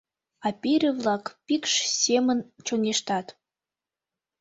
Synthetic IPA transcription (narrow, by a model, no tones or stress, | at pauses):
ɑpiɾʲevlɑkpikʃsemənt͡ɕoŋeʃt̪ɑt̪